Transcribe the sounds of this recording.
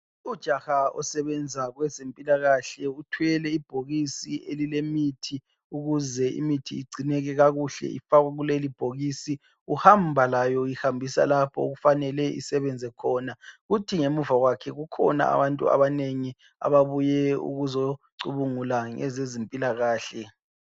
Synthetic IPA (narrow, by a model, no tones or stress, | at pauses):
ud̥ʒ̥ʱaxaɔ̰sɛβɛnd͡zʱaɣwɛzempʼilaɣaɬɛutʰuɛlɛib̥ʱoɣisielilemitʰi | uɣuzɛḭmitʰḭːiɡ͡ǀʱinɛɣɛɣaɣuɬɛ̰ʔḭfaɣaɣulelib̥ʱoɣisi | uhambʱalajɔjihambʱisa̰lapʰɔ̰uɣufanɛlɛʔḭsɛβɛnd͡zʱɛkʰɔːnaɣutʰiŋemuvaɣwakʰɛɣukʰɔna̰a̰βantʼṵa̰βaneŋi | a̰βaβujɛṵɣuzoǀuβuŋulaŋɛ̰zezempʼilaɣaːɬɛ